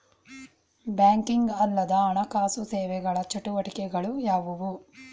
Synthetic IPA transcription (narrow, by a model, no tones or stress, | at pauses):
bjaːŋkiŋɡɐlːɐd̪ɐːɳɐkaːsusɛːʋɛɡɐɭɐt͡ʃɐʈuʋɐʈikɛɡɐɭujaːʋuʋu